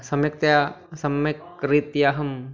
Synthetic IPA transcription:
sɐmjɐk̚t̪jasɐmɐk | ɾit̪jaːɦɐm

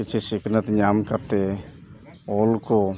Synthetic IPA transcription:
it͡ʃʰɛsikʰnat̪ɲamkaɾt̪ɛ | ɔlkɔ

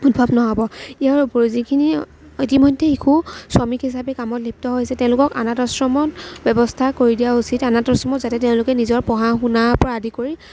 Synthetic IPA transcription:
udbʱabnɔɦɔbɔiaɹuboɹzikʰini | itimɔjdʱːɛikʰuswɔmikɦisapɛkamɔtlip̚tɔɦojsɛtɛʊ̃lʊkɔka̰natɔsɹɔmɔtbɛbɔstʰakoɹidijausitanatɔsɹɔmɔtzatɛteʊ̃lʊkɛnizɔɹpɔɦaxunaɹpɔɹaadʱikoɹi

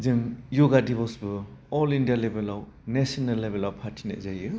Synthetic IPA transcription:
zɯŋjoɡadibɔsbɯɔlindijalebelaw | nesɔnalːebelawpʰaɾtʰinḛʔzajɯ

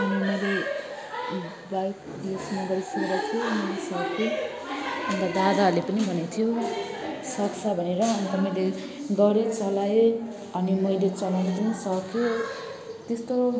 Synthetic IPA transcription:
nimʌjle | bajk | esnaɡʌɾisʌkeɾat̪ʰijoʌnisʌkʰe | ʌnt̪ad̪ad̪alepʌnibʱʌnet̪ʰijo | sʌksʰʌbʱʌneɾʌːnit̪ʌmajle | ɡʌɽit͡sʌlaje | ʌnimʌjlet͡sʌlaet̪ʌnʌsʌkjo | t̪est̪o

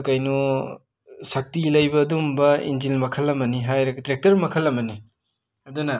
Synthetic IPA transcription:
kajnu | sak̚tilɐjbɐːdumbɐḭnd͡ʒilmɐkʰɐlːɐmɐniɦajɾɐktɾek̚tɐɾmɐkʰɐlːɐmɐni | ɐdunɐ

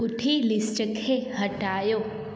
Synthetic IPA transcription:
ʊʈʰilɪsʈəkʰeɦəʈaːjoː

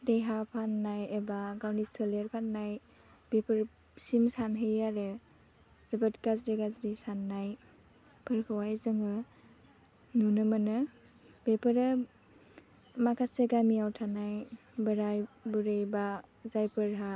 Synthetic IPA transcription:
dejɦapʰanːajebaɡawniseleɾpʰanːaj | bepʰɯɾ | simsanɦɯjaɾɯ | zəbatkazɾiɡazɾisanːaj | pʰɯɾkʰawajzɯŋɯ | nunɯmənɯ | bepʰɯɾɯ | makʰaseɡamiawtʰanaj | bɯɾajbuɾejbazajpɯɾɦa

